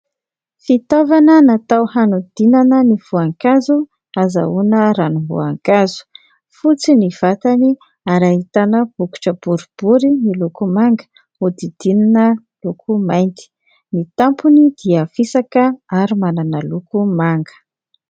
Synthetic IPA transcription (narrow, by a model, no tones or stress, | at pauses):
fit̪avanənat̪awhanud̪̥inanəniv̥uaŋkazu | aza̰unəɾanuɦvṵaŋkazu̥ | fut͡siniv̥at̪ani | aɾaɦit̪anəb̥uku̥ʈ͡ʂəb̥uɾub̥uɾinilukumaŋɡə̥ | ud̪id̪̥inanə | lukʰumajnt̪i̥ | nit̪ampunid̪iəfisakəaɾimananəlukumaŋɡə̥